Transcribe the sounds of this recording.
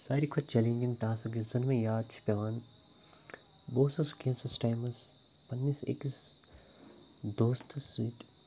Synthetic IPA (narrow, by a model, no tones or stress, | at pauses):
saːɾikʰɐt͡ʃɐlĩːŋɡinʈaːsɐɡizɐnmẽjaːd̪̚t͡ʃʰi̥pʲɐʋaːn | boːsɐskẽːnsɐsʈaːjmɐs | pɐnːisḛkis | d̪oːst̪ʰɐsiːt̪